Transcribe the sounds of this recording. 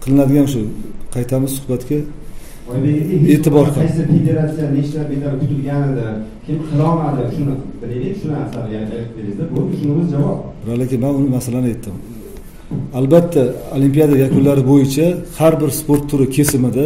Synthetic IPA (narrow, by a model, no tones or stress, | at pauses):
qʰɨlˠɨnad̪ɪɡʲanʃ̬ʊqʰɑjt̪ʰamɪz̥sʊ̥hbat̪kʲa | ɒjbeɡʲɪeet̪ɪbɒɾqʰɑjsɪfed̪e̞ɾat̪sijanet͡ʃlaɾbet̪ʰaɾkʰʊt̪ʰɪlɡʲanɪd̪ɪkʲʰeɪpqʰɨlˠɒmad̪ɪʃʊnɪbɪled̪ekʲʃʊnɪasanɪɡʲaʃaɪp̚d̪eɾɪzd̪ɪbokʲɪʃʊnɪmɪzd͡ʒavɒp̚bɪɾalekʲɪnmanʊnɪmasalanɪe̞t̪ʰːɪm | albat̪ʰːaolimpijad̪ajakʰʊnlaɾɪbojɪt͡ʃʰahaɾbɪɾspoɾt̪ʰːʊɾɪkʲʰe̞sɪmɪd̪ɪ